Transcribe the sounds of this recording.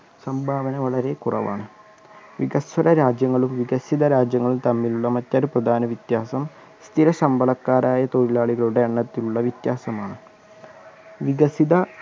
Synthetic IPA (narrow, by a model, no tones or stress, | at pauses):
sɐmbʱaːʋɐnɐʋɐɭɐɾe̞kurɐ̰ʋa̰ːɳɨ | ʋiɡɐsʋɐɾɐɾaːd͡ʑjɐŋːɐɭumʋiɡɐsid̪ɐɾaːd͡ʑjɐŋːɐɭumt̪ɐmːiluɭːɐmɐtːaːɾuprɐd̪ʱaːnɐʋit̪jaːsɐm | st̪ʰilɐsɐmbʱɐɭɐkːaːɾaːjɐt̪oɻilaːɭiɣɐɭuɽe̞ɐɳːɐt̪ːiluɭːɐʋit̪jaːsɐmaːɳɨ | ʋiɡɐsiðɐ